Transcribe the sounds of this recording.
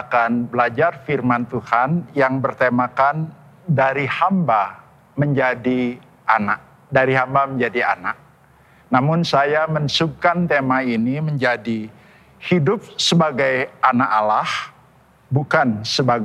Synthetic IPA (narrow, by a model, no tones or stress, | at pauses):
akanbəlad͡ʒarfirmant̪uhanjaŋbərt̪emakan | daɾihamba | məɲd͡ʒadi | ʔanak̚ | daɾiɦambaməɲd͡ʒadia̰nak̚ | namʊnsajamənsub̚kant̪emainiməɲd͡ʒadi | hidʊp̚səbaɡajanakalah | bukansəbaɡ